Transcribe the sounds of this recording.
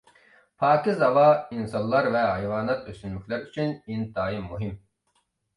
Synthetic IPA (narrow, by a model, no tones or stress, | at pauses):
pʰɑːkʲizɑvɑinsɑnlˠɑɾvɛɦɑjvɑːnɑt̪ʰøst̪ynlykʲlæɾyt͡ʃʰynint̪ɑːjimːuɦim